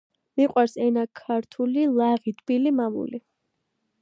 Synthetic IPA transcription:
miqʼwaɾsɛnakʰːaɾt̪ʰulilˠaʁit̪ʰʼbilimamṵli

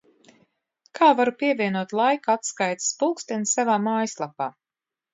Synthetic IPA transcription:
kʰaːvaɾupiɛvʲiɛnuɔt̪lˠajkaat̪skajt̪spulˠkst̪ɛnsavaːmaːjslˠapaː

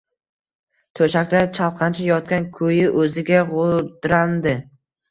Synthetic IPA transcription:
t̪ʰɵʃakʲt̪at͡ʃʰɑlˠqʰɑnt͡ʃʰajɒt̪̚kʲankʲʰɵjɪʔɵzɪɡʲaʁʊɾd̪ɾand̪ɪ

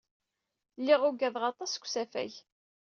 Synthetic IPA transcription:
lːɪʁʊɡæðʁɑt̪ˤɑskʷːsæfæ̰ç

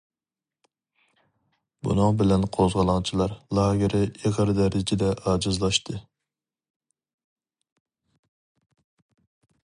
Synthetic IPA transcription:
bṵnɨŋbɪlɛnqʰozʁɑlˠɑŋt͡ʃʰilˠɑɾlˠɑːɡʲɪɾɪeʁəɾd̪ɛɾɪd͡ʒɪd̪ɛʔɑːd͡ʒɨzlˠɑʃt̪ʰɨ

